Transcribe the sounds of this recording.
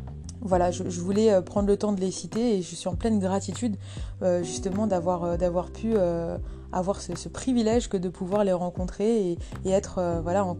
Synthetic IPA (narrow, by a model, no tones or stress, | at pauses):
vwalaʒəʒəvulɛøpχɑ̃d̪ʁlət̪ɑ̃d̪əlesit̪eːʒəsɥiɑ̃plɛnɡʁat̪it̪yd̪ | øʒyst̪əmɑ̃d̪avwaʁød̪avwaʁpʰyø | a̰vwaʁsəsəpχivilɛʒkəd̪əpʰuvwaʁleʁɑ̃kɔ̃t̪χeeːɛt̪χøvwalaɑ̃